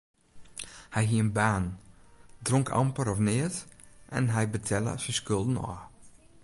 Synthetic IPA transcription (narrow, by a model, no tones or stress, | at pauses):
hɛjɦiənbaːn | drɔŋkʰɑ̰mpəɾɔfnɪətʔɛ̰nɦɛjbətʰɛlə̰səskølˠdənɔ̰